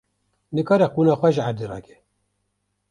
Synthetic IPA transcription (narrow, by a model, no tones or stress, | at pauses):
nɨkɑːɾɛquːnɑːxʷɛʒʕaɾd̪irɑ̰ːkɛ̥